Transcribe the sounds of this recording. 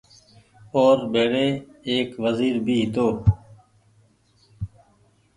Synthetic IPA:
oːɾbeːɽeːeːkʋəziːɾbʱiːɦɪt̪oː

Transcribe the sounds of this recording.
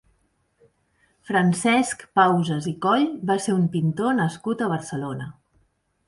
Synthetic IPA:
fɾənsɛskpawzəzikɔʎbaseumpint̪onəskut̪əβ̞əɾsəlonə

